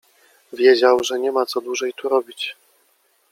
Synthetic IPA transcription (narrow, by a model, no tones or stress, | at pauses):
vʲjed͡ʑawʐɛɲɛmat̪sɔd̪wuʐɛjt̪uɾɔbʲit͡ɕ